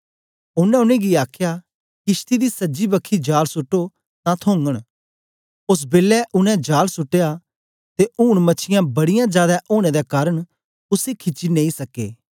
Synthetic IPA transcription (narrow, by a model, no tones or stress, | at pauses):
ʊnɛ̃ʊnẽɡiaːkʰja | kɪst̪id̪isɐd͡ʒibɐkʰːid͡ʒaːlsʊʈːo | t̪ãt̪ʰõːŋɡəɽ̃ | ʊs̬beːlːɛʔʊnɛ̃d͡ʒaːlsʊʈːeja | t̪euːɽmɐt͡ʃʰɪjãbɐɽɪjãd͡ʒjaːd̪aʔoːɽ̃ed̪akaːɾəɽ̃ | ʊsekʰɪt͡ʃːinẽːĩsɐkːḛː